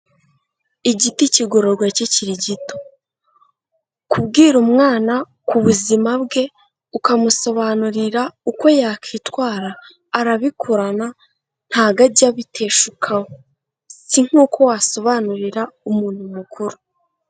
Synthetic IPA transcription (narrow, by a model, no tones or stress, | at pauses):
iɟiticiɡo̞ɾo̞ɾɡwaciciɾiɟito̥ | kubɡiːɾumŋaːna | kuβuzimabɡe̞ | ukamuso̞βanuɾiɾauko̞jaːkʰiːtwaːɾaː | ɾaβikʰuɾana | n̥haːɡaɟaβitʰe̞ːʃukʰawo | siŋ̥uːkʰo̞waso̞βanuɾiɾaumuːn̥humukʰuɾu